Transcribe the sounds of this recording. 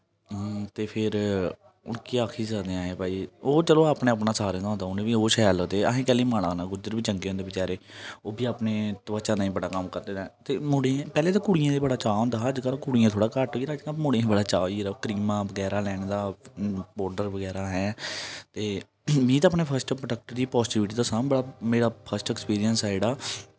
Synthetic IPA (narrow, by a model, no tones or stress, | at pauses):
t̪eːpʰɪɾ | ʊ̰nkiːaːkʰiːsəːd̪eãːɦeːbaːiːoːt͡ʃəloːaːpnẽːapnaːsaːɾẽːɡ̪aːɦond̪aːʊnẽːbiːoːʃɛːaləkd̪eːəɦẽːkɛːleːmaːɽãːnaːɡʊd͡ʒəɾbiːt͡ʃəŋɡeːõːnd̪eːbɪt͡ʃaːɾeːoːbiːaːpneːt̪əʋət͡ʃãːd̪aːĩːbəɽaːkəmkəɾd̪eːd̪aːt̪eːmoːɽẽpɛːleːt̪aːkuːɽɪjãːd̪eːbəɽaːt͡ʃaːõːnd̪aːəd͡ʒkalkuːɽijãːt̪ʰoːɽaːkəɾʈoiːɾaːd͡ʒkamoːɽẽbəɽaːt͡ʃaːiːɾakɾiːmãːbəɡɛːɾaːlɛːɳ̃d̪aːbɔːɾɖəɾʋəɡɛːɾaːɦɛːt̪eː | mĩːt̪̬aːpneːpʰəɾsʈpɾəʈək̚ʈəɾd̪iːpɔːsʈiːʋɪʈiːd̪aːsaːmbəɽaːmeːɽaːpʰəsʈɛːkspiːɾijənseːɽaː